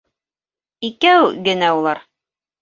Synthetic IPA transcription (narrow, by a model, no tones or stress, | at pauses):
ikæwɡɘ̆næulˠɑɾ